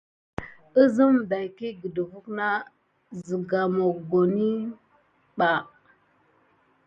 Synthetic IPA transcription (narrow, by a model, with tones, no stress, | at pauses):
ə˦zi˦mda˨ki˦ɡə˨də˨vu˦kna˦ | zi˨ɡa˨mo˨kɡo˨ni˦ | ɓa˨